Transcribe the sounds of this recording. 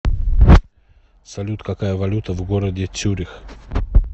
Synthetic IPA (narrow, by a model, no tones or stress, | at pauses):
sɐlʲut̪kakajəvɐlʲut̪ʰəvɡoɾəd̪ʲet͡suɾʲix